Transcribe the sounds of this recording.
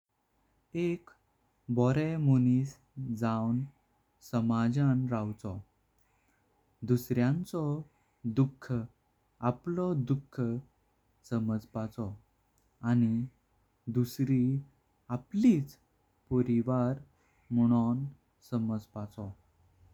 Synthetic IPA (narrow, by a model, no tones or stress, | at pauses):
ek | bɔɾɛmoniːs | d͡zawn | səmad͡ʑanɾawt͡sɔ | d̪usɾjãnt͡sɔ | d̪ukʰːə | aplɔd̪ukʰːə | səməd͡zpat͡sɔ | ani | d̪usɾi | apliːt͡s | poɾiʋaɾ | muɽ̃ɔn | səməd͡zpat͡sɔ